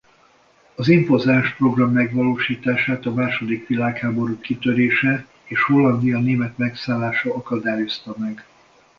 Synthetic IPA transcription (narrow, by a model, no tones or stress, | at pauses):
ɒziɱpo̞zaːʃpro̞ɡrɒmːɛɡʋɒloːʃiːt̪aːʃaːt̪ɒmaːʃo̞d̪ikʋilaːkhaːbo̞ɾukːit̪øɾeːʃɛ | eːʃho̞lːɒnd̪ijɒneːmɛt̪mɛksaːlːaːʃɒɒkɒd̪aːjo̞st̪ɒmɛɡ